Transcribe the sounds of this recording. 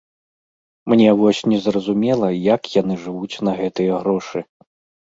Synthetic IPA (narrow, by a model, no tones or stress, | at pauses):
mnʲɛvɔsʲnʲɛzrɐzumʲɛlˠɐjɐkjan̪ɨʐɨvut͡sʲnɐɣɛt̪ɨjɐɣɾɔʂɨ